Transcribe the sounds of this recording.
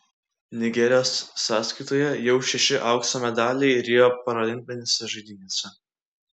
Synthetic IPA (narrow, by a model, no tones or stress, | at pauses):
nʲɪɡʲɛɾʲɪjoːsːɑːsʲkɐɪt̪oːjɛjɛʊʃʲɛʃʲɪʔɐʊksɐmʲɛd̪ɑːlʲɛɪɾʲɪjoːpɐɾɐlʲɪŋʲpʲɪnʲesʲɛʒɐɪd̪ʲɪnʲesʲɛ